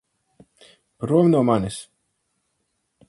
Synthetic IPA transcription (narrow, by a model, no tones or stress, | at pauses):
pɾuɔmnuɔmanis